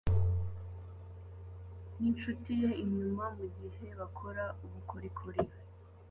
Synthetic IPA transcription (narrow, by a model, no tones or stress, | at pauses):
n̥int͡ʃutije̞iɲumamuɟihe̞βakʰo̞ɾauβukʰoɾikʰoɾija